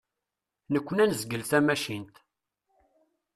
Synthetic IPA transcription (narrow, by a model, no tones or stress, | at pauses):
nəkʷːənænəzɡəlθæmæʃint̪